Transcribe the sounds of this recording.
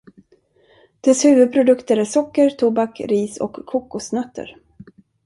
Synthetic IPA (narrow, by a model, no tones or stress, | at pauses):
d̪̥ɛshʉ̟ːvɵd̪̚pʰɾʊd̪ɵkt̪əɾæsɔkːəɾt̪ʰubakɾiːsɔ̰kʰːuːkːʊsnœt̪ʰːə̰ɾ